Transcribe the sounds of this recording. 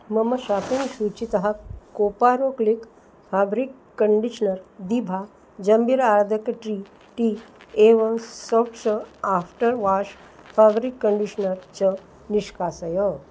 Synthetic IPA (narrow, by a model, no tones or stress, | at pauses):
məmɐʃapinʃut͡ɕit̪ɐɦakopaɾoklik | fʰabɾikːəɳɖiʃənəɾd̪ibʱa | d͡ʒɐmbiɾaɾd̪ʱəkʈɾi | ʈieʋəŋsopt͡ʃəafʈəɾʋaʂ | fabɾikːəɳɖiʂənəɾt͡ɕə | niʃkaːsəjə